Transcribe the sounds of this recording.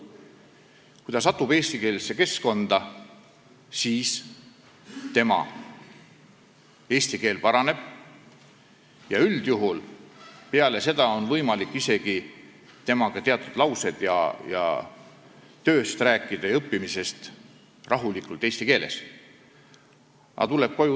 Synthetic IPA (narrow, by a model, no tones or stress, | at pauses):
kujd̪ɑs̬ɑt̪ːˑube̞ːsʲt̪ike̞ːlse̞ke̞sko̞nd̪̥ɑ | siːs | t̪e̞mɑ̰ | e̞ːsʲt̪ike̞ːlpɑɾɑne̞b̥ | jɑyld̪̥juɦulpeɑle̞se̞d̪̥ɑo̞nvɤjmɑlikːise̞ɡ̥i | t̪e̞mɑɡ̥ɑt̪eɑt̪ːˑud̪lɑwse̞d̪̥jɑ̰jɑ̰ | t̪ø̞ːst̪ræːkːˑid̪̥ɑjɤpːimise̞st̪ | rʔɑɦulikˑult̪e̞ːsʲt̪ike̞ːle̞̰s | ɑ̰t̪uleb̥̚ko̞ju